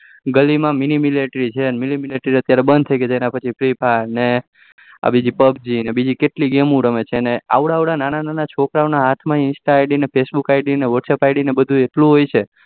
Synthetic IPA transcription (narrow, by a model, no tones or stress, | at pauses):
ɡəlimãminimileʈɾit͡ʃʰeənmilimileʈɾiət̪jaɾebənd̪t̪ʰəjked͡ʒenãpət͡ʃʰipʰɾipʰaɾne | a̰bid͡ʒipəbd͡ʒinebid͡ʒikeʈliɡemũɾəmet͡ʃʰenea̰ʋɽaːʋɽananananat͡ʃʰokɾaonaɦat̪ʰmãɪnsʈaːjɖinepʰesbukajɖineʋəʈsepajɖinebəd̪ʱũeʈlũɦojt͡ʃʰe